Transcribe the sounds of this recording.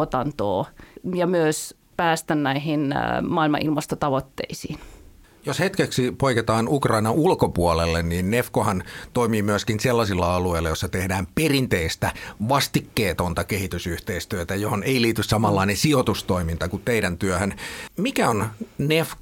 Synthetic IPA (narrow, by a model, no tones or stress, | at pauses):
ot̪ɑnt̪o̰ːjɑmyøs | pæːst̪ænnæihinmɑilmɑ̰ʔilmɑst̪ot̪ɑʋot̪ːḛisiːn | joshet̪keksipoiket̪ɑːnukrɑinɑulkopuolelːenniːnnefkohɑnt̪oimiːmyøskinselːɑsilːɑɑlueilːɑjosːɑt̪ehdæːmperint̪eist̪æʋɑst̪ikːeːt̪ont̪ɑkehit̪ysyht̪eist̪yøt̪æjohonʔeiliːt̪yssɑmɑlːɑinensiot̪ust̪oimint̪ɑkut̪t̪eidænt̪yøhønmikæonnefk